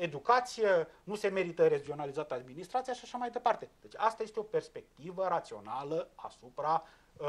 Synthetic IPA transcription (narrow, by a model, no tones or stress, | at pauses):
e̞d̪ukat̪sijenuse̞me̞ɾit̪əɾed͡ʒio̞nalizat̪əad̪minist̪ɾat̪sijaʃaʃamajd̪e̞part̪e̞d̪et͡ʃast̪aje̞st̪eo̞pe̞rspe̞k̚t̪ivəɾat̪sio̞̰naləa̰supɾa